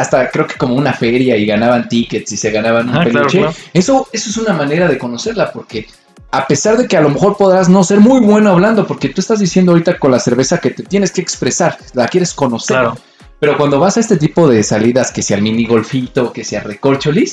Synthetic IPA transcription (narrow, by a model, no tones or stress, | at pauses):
ast̪akɾeoke̥ko̞mo̞unafe̞ɾjaiɣanaβant̪ike̞t̪sise̞ɣanaβanũmpelot͡ʃee̞so̞e̞so̞e̞sunamãne̞ɾaðe̞ko̞no̞se̞ɾlapo̞ɾke̞ | ape̞saɾðe̞kealo̞me̞xo̞ɾpo̞ðɾazno̞se̞ɾmujβwe̞noaβland̪opo̞ɾke̞t̪ue̞st̪azðisjend̪oaoɾit̪ako̞nlase̞ɾβe̞sake̞t̪e̞t̪je̞ne̞ske̞ːkspɾe̞saɾ | lakje̞ɾesko̞no̞seɾ | pe̞ɾo̞kwand̪o̞βasaest̪e̞t̪̬ipo̞ðe̞saliðaskesjaɾmĩniɣo̞lfit̪o̞kesjareko̞lt͡ʃolis